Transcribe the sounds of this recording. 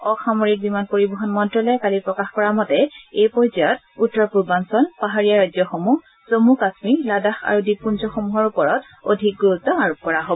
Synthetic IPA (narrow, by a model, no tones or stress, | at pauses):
ɔxamoɹik̚bimanpoɹibɔɦɔnmɔntɹɔlɔjkalipɹɔkaxkɔɹamɔtɛejpɔɹzajɔt̚ | utːɹɔpubansɔlpaɦaɹijaɹazjɔxomux | z̥omukasmiladaxa̰ɹudipːunzɔxomuɦɔɹupɔɹɔt | o̰dʱik̚ɡuɹutːɔaɹop̚kɔɹaɦobɔ